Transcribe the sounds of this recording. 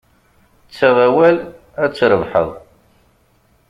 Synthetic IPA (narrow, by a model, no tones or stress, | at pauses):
t͡sːaʁæwæl | æt͡sːɾəvħə̰ðˤ